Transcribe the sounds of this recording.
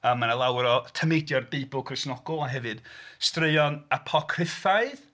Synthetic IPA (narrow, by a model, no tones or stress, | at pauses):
əːmːanalˠawɾɔtʰəmejdjɔrbiːbʊlˠkʰrɪsnɔɡɔlˠanɦɛvɨd̥streɨɔnapʰɔkʰrɪfaɨð